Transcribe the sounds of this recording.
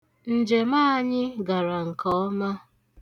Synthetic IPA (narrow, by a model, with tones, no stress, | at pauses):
n̩˨d͡ʒe˨ma˦ɲɪ˦ɡa˨ɾa˨ŋ̩˨kɔ˦ɔ˦ma˦